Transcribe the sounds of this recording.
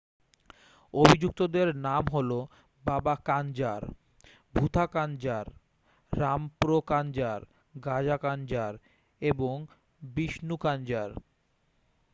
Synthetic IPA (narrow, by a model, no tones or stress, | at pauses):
obʱid͡ʑuk̚t̪od̪eɾnamɦolo | babakand͡ʑaɾ | bʱut̪ʰakand͡ʑaɾː | ampɾokand͡ʑaɾ | ɡad͡ʑakand͡ʑaɾ | eboŋ | biʃnukand͡ʑaɾ